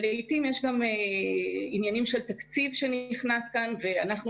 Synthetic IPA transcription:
leitimjeʃɡame | injanimʃe̞lt̪akt͡sivʃe̞niχnaskanve̞anaχnu

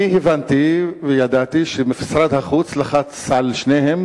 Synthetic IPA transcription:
ihevant̪ivejad̪at̪iʃemifi̥sɾad̪haχut͡slaχat͡sːalʃnehem

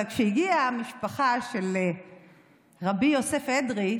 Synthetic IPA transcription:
kʃeiɡiamiʃpaχaʃel | ʁabijosefedʁi

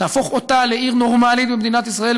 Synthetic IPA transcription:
aːfo̞χo̞t̪aleiʁno̞ʁmalitbemd̪inat̪isʁae̞l

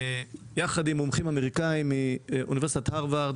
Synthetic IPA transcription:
jaχad̪imomχimameʁikaimːiʔunivesit̪at̪haʁvaʁd̪

